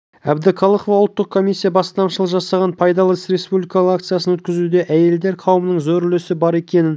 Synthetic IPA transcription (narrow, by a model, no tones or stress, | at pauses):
æbd̪ɪqʰɑlˠəχovɑʊlˠt̪ːəq̚kʰːo̞mijsʲːijɑbɑst̪ɑmʃəlˠəʒɑsɑʁɑnpʰɑjd̪ɑlˠəsɾe̞spublijkɑlˠəʁakt̪sɨjasənwɵt̪̚kʲɪzud̪e̞ʔæje̞ld̪e̞ɾqʰɑwəmənəɴzɵɾlesɪbɑɾe̞kʲe̞nɪn